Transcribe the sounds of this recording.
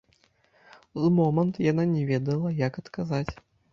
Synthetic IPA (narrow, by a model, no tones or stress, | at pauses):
zmɔmɐnt̪jananʲɛvʲɛd̪ɐlˠɐjɐkɐt̪kazat͡sʲ